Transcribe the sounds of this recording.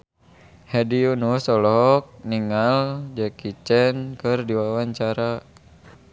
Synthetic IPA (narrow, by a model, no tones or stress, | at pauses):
hɛdiunusɔlɔk̚niŋald͡ʒɛkit͡ʃɛnkɨrdiwawaɲt͡ʃaɾa